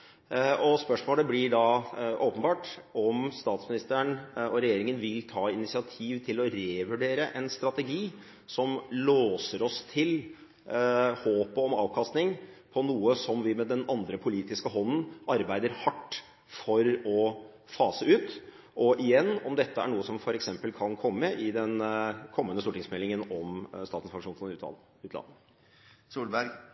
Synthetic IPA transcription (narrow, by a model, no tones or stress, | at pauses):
ʔɔspœʂmoːləblɪɖɑʔoːpənbɑːʈɔmst̪ɑːt̪smɪnɪst̪əɳɔɾɛjeːɾɪŋənʋɪlt̪ʰɑːɪnɪsɪɑt̪ʰiːʋt̪ʰɪlɔɾeːʋʉɖeːɾəʔɛnst̪ɾɑt̪ɛɡiː | sɔmloːsəɾɔst̪ʰɪl | hoːpəɔmɑ̰ːʋkʰɑst̪nɪŋpʰɔnuːəsɔmʋɪmɛd̪ɛnɑnd̪ɾəpʰʊliːt̪ɪskəɦɔnːn̩ɑɾbæɪd̪əɾhɑʈː | fɔɾɔ | fɑːsəʉːt̪ | ʔɔʔɪjɛnːɔmd̪ɛt̪ʰːəæ̰ɳuːəsɔmfɔɾɛksɛmpəlkʰɑnkʰɔmːəʔɪd̪ɛnkʰɔmːənəst̪uːʈɪŋsmɛlɪŋənɔmst̪ɑːt̪n̩sfɑŋʂuːnfɔʉːt̪ʰɑ̰ | ʉːt̪lɑ̰n | suːlbæɾɡ